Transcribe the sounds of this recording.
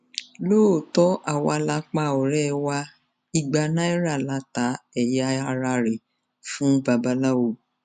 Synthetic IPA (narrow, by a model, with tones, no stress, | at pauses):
loː˦˨tɔ˦ʔa˨wɔ˧a˧la˧˦k͡pa˦˧˨ɔ˨ɾɛ˦˧wa˧ | i˧ɡ͡ba˧nã˦i˦ɾa˦˨la˨˦ta˨˦ɛ˨ja˧˦a˧ɾa˧ɾe˨ | fũ˦ba˧ba˧˦la˦wo˨˧˨